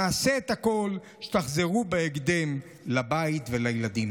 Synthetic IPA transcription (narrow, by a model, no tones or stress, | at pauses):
aːseːt̪hako̞l | ʃe̥t̪aχzeʁubeeɡd̪em | labait̪velajelad̪im